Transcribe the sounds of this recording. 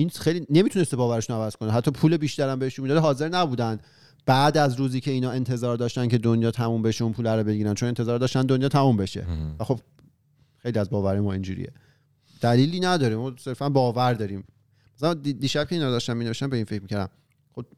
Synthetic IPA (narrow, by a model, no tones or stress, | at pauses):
ʔinxejline̞miːt̪ʰune̞st̪ebɒːvæɾeʃunoævæz̥kʰoniɦæt̪ʰːɒːpʰuːlebiːʃt̪æɾæmbeeʃunmid̪ɒd̪eɦɒːze̞ɾnæbuːd̪æn | b̥æːd̪æzɾuːziːcʰeiːnɒːe̞nt̪ʰe̞zɒːɾd̪ɒːʃt̪æncʰe̞d̪onjɒːt̪ʰæmuːmbeʃeunpʰuːlæɾobe̞ɟiːɾænt͡ʃʰonent̪ʰezɒːɾd̪ɒːʃt̪ænd̪onjɒːt̪ʰæmumbe̞ʃe̞̰væxo̞b | xe̞jliæzbɒːvæɾijmɒːind͡ʒṵːɾḭjḛ | d̪̥æliːliːnæd̪ɒːɾimɒːse̞ɾfænbɒːvæɾd̪ɒːɾiːm | mæsælænd̪d̪iːʃæb̥̚cʰe̞inɒːɾd̪ɒʃt̪ænmineeʃt̪ænbeiːnfecʰmiːcʰæɾd̪æ̰m | χob